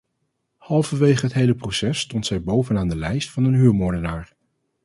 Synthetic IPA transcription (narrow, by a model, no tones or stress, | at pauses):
hɑlˠvəʋejχəɦətɦejləprowsɛstɔntsɛjbowvənaːndəlɛjstfɑnənɦyːɹmɔːɹdənaːɹ